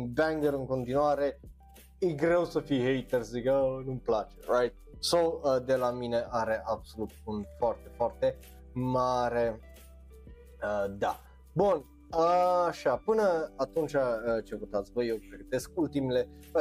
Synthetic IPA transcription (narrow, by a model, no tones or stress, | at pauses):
nbæŋɡəɾɨŋko̞nt̪inuaɾe̞ | jeɡɾe̞wsəfiɦejt̪erszikənuməplat͡ʃḛɾajt̪̚sowəd̪e̞lamine̞ʔaɾe̞ʔabso̞lut̪̚unfoart̪e̞foart̪e̞ | maɾe̞ | əd̪a | bun | əʃapɨnəat̪unt͡ʃaət͡ʃevut̪at̪sʲvəjewpɾeɡət̪e̞sk̚ult̪imele